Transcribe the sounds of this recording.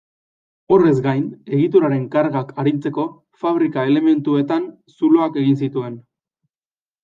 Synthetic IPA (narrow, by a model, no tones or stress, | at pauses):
o̞re̞zɡajne̞ɣit̪oɾaɾe̞ŋkaɾɣakʰaɾint͡se̞ko̞ | faβ̞ɾikae̞le̞me̞nt̪ue̞t̪an | sulo̞ake̞ɣinsit̪ue̞n